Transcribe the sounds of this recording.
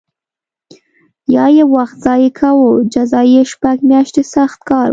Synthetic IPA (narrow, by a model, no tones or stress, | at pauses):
jɑjewaxt̪z̥ɑjekʰawod͡ʒazɑjeʃpaɡmjɑʃt̪esaxt̪̚kɑɾ